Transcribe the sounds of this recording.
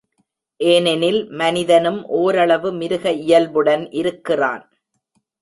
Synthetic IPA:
ʔeːnɛnɪlmɐnɪðɐnɯmʔoːɾɐɭɐʋɯmɪɾɯɣɐɪjɐlʋɯɽɐnʔɪɾɯkːɪra̰ːn

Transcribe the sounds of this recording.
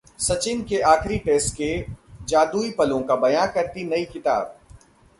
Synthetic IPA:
sɐt͡ʃɪnkeʔaːxɾiʈeːsʈked͡ʒaːd̪uːipɐlõkabɐjãːkɐɾt̪inɐikɪt̪a̰ːb̚

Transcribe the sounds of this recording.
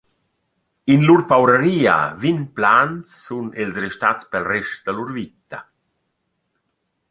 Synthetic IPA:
inluɾpawɾəɾiːa̰vinplant͡sːunilsɾɛʃt̪at͡spɛlrɛʃtd̪əluɾvit̪a

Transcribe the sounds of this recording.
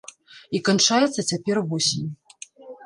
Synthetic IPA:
ikant͡ʂajɛt̪sːɐt͡sʲapʲɛrvɔsʲinʲ

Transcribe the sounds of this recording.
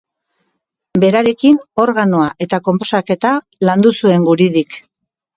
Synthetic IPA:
be̞ɾaɾe̞kino̞ɾɣanoaʔe̞t̪ako̞mpo̞sake̞t̪a | land̪usue̞ŋɡuɾiðik

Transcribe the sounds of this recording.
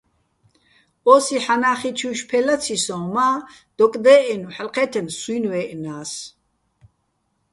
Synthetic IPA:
ɔsiħanaːχit͡ʃʰuʃpʰɛlat͡sʰisɔ̃ːmaː | d̪̥ɔkʼd̪ɛːʔɛnuħalqʰɛt̪ʰɛmswunwɛːʔnaːs

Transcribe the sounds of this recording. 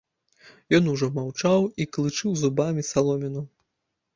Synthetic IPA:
jɔn̪uʐɔmawt͡ʂawiklˠɨt͡ʂɨwzubamʲisalˠɔmʲinu

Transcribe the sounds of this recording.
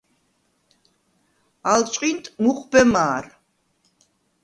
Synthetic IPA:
alt͡ʃʼqʼint̪ʼmuqʰʼbɛmaːɾ

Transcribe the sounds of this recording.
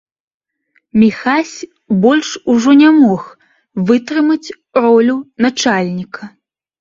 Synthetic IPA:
mʲixasʲ | bɔlʲʂuʐɔnʲamɔx | vɨt̪ɾɨmɐt͡sʲ | ɾɔlʲunat͡ʂalʲnʲikʰɐ

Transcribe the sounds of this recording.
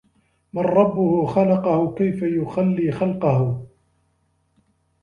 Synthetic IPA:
manɾˤɑbːʊhʊxalɑqɑhʊkajfajʊxalːiːxɑlqɑhʊ

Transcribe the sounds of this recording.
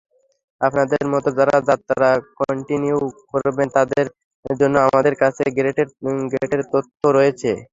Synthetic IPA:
apnad̪eɾmɔt̪od͡ʑaɾad͡ʑat̪ːaɾakɔɳʈiniukoɾbent̪ad̪eɾ | d͡ʑonːoamad̪eɾkat͡ɕʰeɡɾeʈeɾɡɾeeʈeɾt̪ot̪ʰːoɾɔjet͡ɕʰe

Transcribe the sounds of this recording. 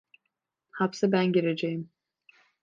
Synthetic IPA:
hapsɯbænɟeɾed͡ʒejim

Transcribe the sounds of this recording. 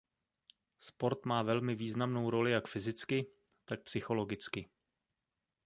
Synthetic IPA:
spo̞ɾt̪maːvɛlmɪviːznamno̞wɾo̞lɪjakfɪzɪt͡skɪ | t̪ak̚psɪxo̞lo̞ɡɪt͡skɪ

